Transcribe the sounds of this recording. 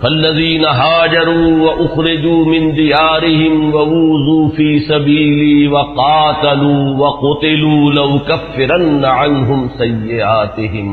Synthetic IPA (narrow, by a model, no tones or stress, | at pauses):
fɐlːɐðiːnaɦaːd͡ʒɐɾuːwɐʔʊxɾɪd͡ʒuːmɪnd̪ɪjaːɾɪɦɪmwɐwuːzuːfiːsɐbiːlɪwɐqɑːt̪ɐluːwɐqʊt̪ɪluːlɐwkɐfːɪɾɐnːaʕanɦʊmsɐjːɪʔaːt̪ɪɦɪm